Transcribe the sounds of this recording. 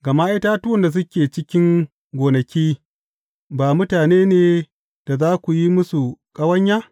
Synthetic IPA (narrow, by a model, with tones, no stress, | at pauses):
ɡɐ˨ma˦ʔɪ˦taː˦tʊ˦wɔ˨nda˨s̬ʊ˦kʲeː˨t͡ʃɪ˦kʲɪ˦ŋ | ɡʷoː˨nɐ˨kʲiː˦ | baː˨mʊ˦taː˨neː˦neː˨ | d̥a˨zaː˦kʷu˨ji˦mʊ˦su˨kʼɐ˦wɐ˦ɲjaː˦